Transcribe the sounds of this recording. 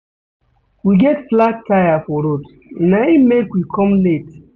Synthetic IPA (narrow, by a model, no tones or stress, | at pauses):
wiɡɛtflak̚tʰːajafɔɾot̩ | naimmekwikʰɔmlet